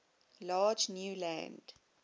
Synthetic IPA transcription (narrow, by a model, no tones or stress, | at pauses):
lɑːd͡ʒnjuːlæ̰̃nd̥